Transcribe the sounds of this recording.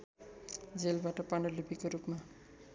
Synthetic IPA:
d͡zelbaʈʌpanʌlubikoɾupma

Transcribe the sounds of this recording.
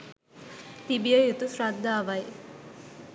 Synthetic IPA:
t̪ibijɐjut̪usɾad̪ʱːaːʋɐj

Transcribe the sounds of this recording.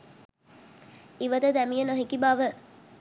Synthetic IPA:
iʋəd̪əd̪æmijənaɦikibaʋə

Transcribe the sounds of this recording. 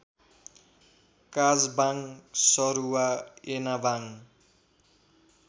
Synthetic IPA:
kad͡zbaŋsʌɾuwaenabaŋ

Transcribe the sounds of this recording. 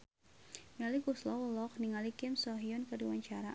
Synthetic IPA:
nalikuslɔwəlɔk̚niŋalikɪmsɔɦiɔnkərdiwaɲt͡ʃaɾa

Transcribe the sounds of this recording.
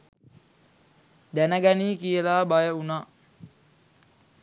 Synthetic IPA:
d̪ænəɡaniːkiəlaːbajəunaʔ

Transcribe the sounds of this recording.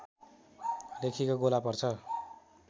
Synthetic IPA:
lekʰikoɡolapʌrt͡sʰʌ

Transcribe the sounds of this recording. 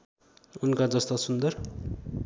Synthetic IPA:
unkad͡zʌst̪osund̪ʌr

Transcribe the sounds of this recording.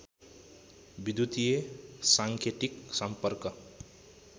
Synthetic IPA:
bid̪jut̪ijesaŋkʰeʈ̪iksʌmpʌrkʌ

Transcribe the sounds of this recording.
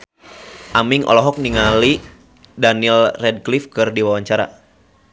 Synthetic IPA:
ʔamiŋʔɔ̰lɔɦɔk̚niŋali | danilrɛd̚klifkɨrdiwawaɲt͡ʃaɾa̰

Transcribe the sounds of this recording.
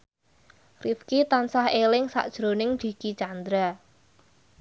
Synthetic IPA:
rifkit̪ansahelɪŋsa̰ʔd̥ʒ̥ɾo̤nɪŋd̪̥i̤kit͡ʃand̪ɾa

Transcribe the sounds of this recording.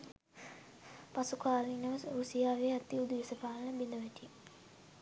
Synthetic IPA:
pasukaːlinəʋəsɾusijaːʋeːat̪iud̪uʋisəpaːlənəbind̪əʋɛʈij

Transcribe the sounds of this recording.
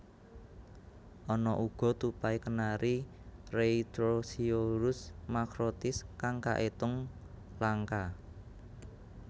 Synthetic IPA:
ʔɔnɔʔuɡ̥ɔ̤t̪upaikənaɾi | reit̪ɾosioɾʊsmakɾot̪ɪskaŋka̰ʔet̪ʊŋ | laŋka

